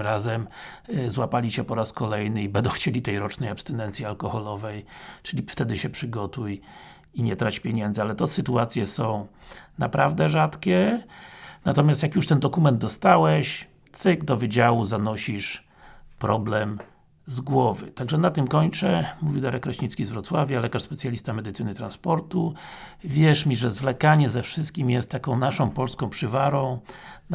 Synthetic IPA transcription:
ɾazɛmzwapalʲiɕɛpɔɾaskɔlɛjnɘibɛnd̪ɔ̃w̃xt͡ɕelʲit̪ɛjɾɔt͡ʂnɛjapst̪ɛnɛnt̪sʲjialkɔxɔlɔvɛjt͡ʂɘlʲift̪ɛd̪ɘɕɛpʂɘɡɔt̪uj | iɲɛt̪ɾat͡ɕpʲjeɲɛnd̪zɨalɛt̪ɔsɘt̪uat̪sʲjɛsɔ̃w̃napɾʔavd̪ɛʐat̪kʲɛ | nat̪ɔmʲjast̪jakjuʂt̪ɛnd̪ɔkumɛnd̪̚d̪ɔst̪awɛɕ | t̪sɘɡd̪ɔvɘd͡ʑawuzanɔɕiʂ | pɾɔblɛm | zɡwɔvɘ̰t̪aɡʐɛnat̪ɘmkɔɲt͡ʂɛmuvʲid̪aɾɛkɾɔɕɲit̪skʲizvɾɔt̪swavʲjalɛkaʂspɛt̪sʲjalʲist̪amɛd̪ɘt̪sɘnɘt̪ɾanspɔɾt̪uvʲjɛʂmʲiʐɛzvlɛkaɲɛzɛfʂɘst̪kʲimjɛst̪ːakɔ̃w̃naʂɔ̃w̃pɔlskɔ̃w̃pʂɘvaɾɔ̃w̃

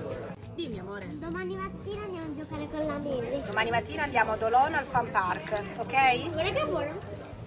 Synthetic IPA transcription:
d̪imiamoːɾed̪omaːnimat̪ːiːnaːnd̪jamoad͡ʒːokaːɾekolːamezed̪omaːnimat̪ːiːnaːnd̪jaːmoad̪olɔnalfamparkokɛjvoɾɛbeboɾo

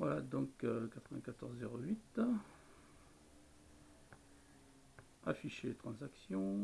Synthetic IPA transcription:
vwalad̪ɔ̃kkat̪χəvɛ̃kat̪ɔʁzːeʁoɥit̪ | afiʃelet̪χɑ̃zaksjɔ̃

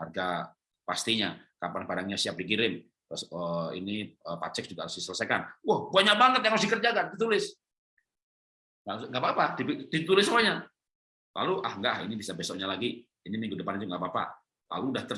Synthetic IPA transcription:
harɡa | past̪iɲakapanbadaŋɲasiap̚dik̬iɾɪn | əsəḭniəpa̰t͡ʃɛk̚d͡ʒuɡaɾʊsdisələsajkanwahbuaɲabaŋət̪̚jaŋmas̬ikərd͡ʒaɡadit̪ulɪs | ŋaŋɡaʔbapadipidit̪ulɪsːəmuaɲa | lʔa̰luʔahŋɡahḭnibisabesɔʔɲalaɡiː | nimiŋɡudəpanit̪uŋɡaʔpapa̰ | la̰luːdaht̪ə

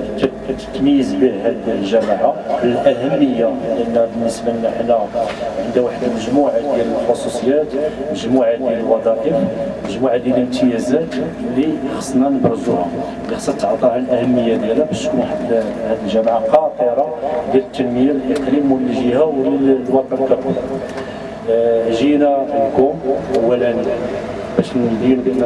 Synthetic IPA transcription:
t̪ːækæt̪ə̥t̪ːməjəzbihæd̪lʒæmʕabəlʔæɦæmːəjːaliʔənːæbənːisbənːæħnæʕənd̪æwaħəd̪məʒmuʕajæləxɑsˤːusˤəjːæt̪məʒmuʕad̪jæləlwɑd̪ˤɑʔəf | məʒmuʕad̪jælənt̪əjæzæt̪ | lːixɑsˤːnænəbɾˤzuha | lːixɑ̥sˤːɑt̪ːʕt̪ˤɑʕanəlʔæhæmːəjːæd̪jælæbæʃt̪kunħat̪ːhæd̪əlʒæmʕaqɑt̪ˤəɾˤɑd̪jælət̪ːænməjallʔəqɾimwəlːiʒihæwllwɑqkæfu | ʒinæəlkumʔəwːæləni | bæʃd̪ind̪

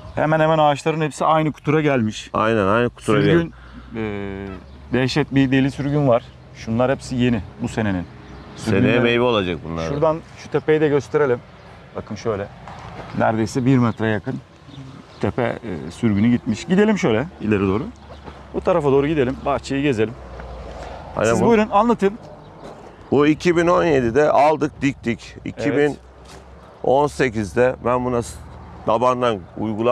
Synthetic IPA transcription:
hḛmænhemænaːʃlˠaɾɯnhepsiajnɯkʰu̥t̪ʰuɾaɟælʲmiʃa̰jnɛnajnɯkʰu̥t̪ʰuɾaɟyn | ɛː | d̪ɛʃɛt̪̚bid̪elʲisyɾɟynvaɾ̥ | ʃunlˠaɾhepsije̞nɪbuse̞ne̞nin | syɾenejɛmejvio̞lˠad͡ʒak̚bunlˠa̰ɾʃuɾd̪anʃu̥t̪ʰe̞pe̞jid̪ɛɟøst̪ʰe̞ɾe̞lʲim | b̥akʰɯmʃø̞jlʲɛnæ̰ɾd̪e̞jsɛbiɾmɛt̪ɾajakɯn | t̪ʰɛpʰɛ̰syɾɟynyɟit̪miʃɟid̪elʲimʃøjlʲɛilʲeɾid̪o̞ːɾu | but̪ʰaɾafad̪oːɾuɟid̪e̞lʲimbaht͡ʃʰajɯɟe̞ze̞lʲim | ha̰nɛbuuɾunanlˠat̪ʰɯm | buicʰibino̞nje̞d̪id̪ɛʔalˠd̪ɯk̚d̪ic̚t̪ʰicḭcʰibin | o̞nse̞cizd̪ɛbænbunasd̪̥aband̪anṵjɡulˠa

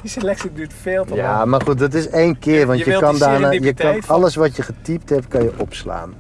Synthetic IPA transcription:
diselɛksidytfeːlˠtəjamarxut̚dɔt̬ɪsejnkɪərʋɔntjəkɔndaːnaːjəkɔnɑləsʋɔtjəχətip̚thɛpkɑnjəʔɔpsla̰ːn

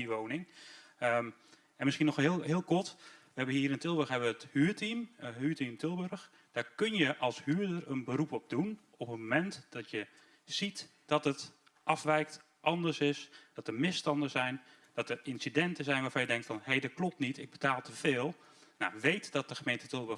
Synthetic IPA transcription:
iʋownɪŋə | ɛnmɪsxiənɔxɦɪlˠɦɪːlˠkɔɹtʋəɦɛbənɦiːɾəntɪlˠbørɦɛbəʋəəthyːtimɦyːtimtʰɪlˠbørx | d̥aːɹkɵnjəʔɑlˠshyːdərənbəɾupɔb̚dun | ɔpətmomɛntd̥ɔtjə | z̥it | d̥ɔtət | ʔɑfʋɛjk̚t | ʔɑndəɹsɪsd̥ɔtərmɪstɑndəzɛjn | d̥ɔtərɪnsidɛntəzɛjnʋaːɹfɑnjədɛŋk̚tfɔnhejdɔt̚klɔp̚tnitʰɪɡ̚bətaːlˠtəfɪːlˠ | na̰ʋejtd̥ɔt̚d̥əxəmejntətɪlˠbø

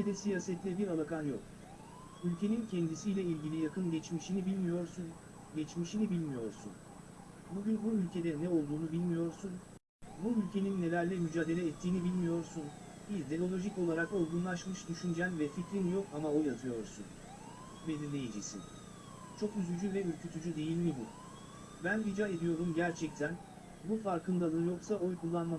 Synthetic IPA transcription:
ed̪ɛsijaːsɛt̪lʲɛbiɾalˠakʰanjok | ylʲcʰe̞nincʰɛnd̪isijlʲɛilʲɟilʲijakʰɯnɟɛt͡ʃmiʃinibilʲmijoɾ | ɟɛt͡ʃmiʃinibilʲmijo̞ɾsṵn | buɟynbuylʲcʰe̞d̪ɛnɛo̞lˠd̪uːnubilʲmijo̞ɾsun | buylʲcʰeninːe̞lʲæɾlʲɛmyd͡ʒaːd̪e̞lʲɛːt̪ʰːiːnibilʲmijo̞ɾsun | biɾd̪e̞lo̞lʲˠo̞ʒico̞lˠaɾakojˠɡunlˠaʃmɯʃd̪yʃynd͡ʒænvɛficɾinjo̞kamao̞jat̪ʰɯjo̞ɾsṵn | bezinlʲejid͡ʒisḭn | t͡ʃʰo̞kjyzyd͡ʒyvɛyɾcʰyt̪ʰyd͡ʒyd̪e̞jilʲmibu | bænbid͡ʒaːe̞d̪ijo̞ɾumɟæɾt͡ʃʰɛc̚t̪ʰæn | bufaɾkʰɯnd̪alˠɯjo̞ksaʔo̞jkʰulˠːanma

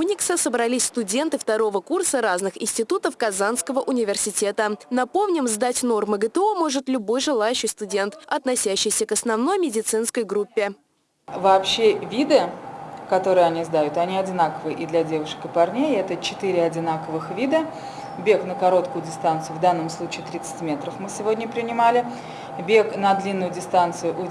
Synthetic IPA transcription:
unʲɪksəsəbɾɐlʲisʲst̪ʊdʲe̞nt̪ɨft̪ɐɾo̞vəkursəɾaznɨxɪnʲsʲtʲɪt̪ut̪əfkɐzanskəvəʔʊnʲɪvʲɪrsʲɪtʲe̞t̪ənɐpo̞mnʲɪmzd̪atʲno̞rmɨɡət̪əo̞mo̞ʐɨt̪lʲʊbo̞jʐɨlˠajʉɕːɪjst̪ʊdʲe̞nt̪ɐt̪nɐsʲæɕːɪjsʲəkɐsnɐvno̞jmʲɪdʲɪt̪sɨnskəjɡɾupʲːɪ | vɐːpɕːevʲid̪ɨkɐt̪o̞ɾɨjɐnʲizd̪ajʊt̪ɐnʲiɐdʲɪnakəvɨʔid̪lʲɐdʲe̞vʊʂkɨpɐrnʲejɛt̪ət͡ɕɪt̪iɾʲɪɐdʲɪnakəvɨxvʲid̪ə | bʲe̞knəkɐɾo̞t̪kʊjʊdʲɪst̪ant̪sɨjʊvd̪anːəmslˠut͡ɕiːt̪ɾʲit̪sɨ̥tʲmʲe̞t̪ɾəfmɨsʲɪvo̞dʲnʲəpɾʲɪnʲɪmalʲɪ | bʲe̞knɐd̪lʲinːʊjʊdʲɪst̪ant̪sɨjʊʔʊ

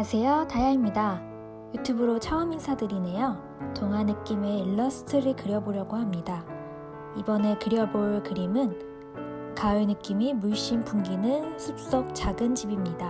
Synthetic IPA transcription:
asʰe̞jotajaimɲida | jutʰubɯɾot͡ɕʰaɯminsʰadɯɾine̞jʌ | toŋɦanɯk͈ime̞ɭːʌsʰɯ̥tʰɯɾɯkɯɾjʌboɾjʌɡohamɲida | ibʌne̞kɯɾjʌboɭkɯɾimɯn | kaenɯk͈imimuɭɕ͈impʰumɡinɯnsʰup̚s͈ʌk̚t͡ɕaɡɯnt͡ɕibimɲida

